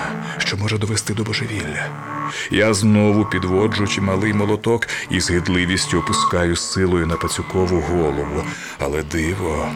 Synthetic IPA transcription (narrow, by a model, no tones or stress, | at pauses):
ʃt͡ʃɔmɔʒɛd̪ɔʋest̪ɪd̪ɔbɔʒeʋʲilʲːɐ | jaznɔʋʊpʲid̪ʋɔd͡ʒʊt͡ʃimɐlˠɪjmɔlˠɔt̪ɔkizɦɪd̪lˠɪʋʲisʲtʲʊɔpʊskɑjʊsːɪlˠɔjʊnɐpɐt͡sʲʊkɔʋʊɦɔlˠɔʋʊ | ɐ̰lˠɛd̪ɪʋɔ